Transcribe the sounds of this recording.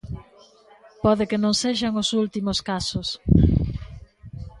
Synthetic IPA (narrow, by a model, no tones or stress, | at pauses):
pɔðɪkɪnõŋseʃaŋosult̪imoskasʊs